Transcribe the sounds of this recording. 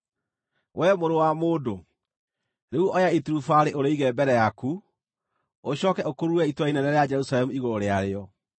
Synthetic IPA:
wʔɛmoɾowamoːdo | ɾeuɔjaetuɾufaɾeʔoɾeiɣɛmbɛɾɛjaku | oɕɔːkɛokoɾuɛitwainɛɾɛɾead͡ʒɛɾusalɛmuiɣoɾoɾeaɾeɔ

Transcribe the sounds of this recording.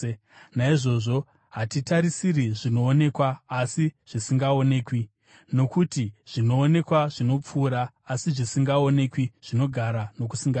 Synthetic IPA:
naiʐo̞ʐo̞ | ɦatitaɾisiriʐino̞ːne̞kwaːsiʐ̥isiŋɡao̞ne̞ːkwi | no̞kutiʐ̥ino̞ːne̞kwaʐino̞p͡fuːɾaː | siʐisiŋɡao̞ne̞kwiʐ̥ino̞ɡʱaɾano̞k̬usiŋɡa

